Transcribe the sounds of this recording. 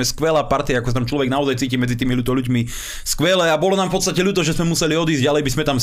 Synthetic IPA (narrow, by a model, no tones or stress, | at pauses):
ɛskʋɛlaːpaɾt̪iaakɔsat̪amt͡ʃlɔʋɛɡnaɔzajt͡siːciːmɛd͡zit̪iːmilut̪ɔluɟmi | skʋɛlɛabɔlɔnaːmfpɔt̪st̪acɛʎuːt̪ɔʒɛzmɛmusɛliɔd̪iːzɟalɛjbizmɛt̪am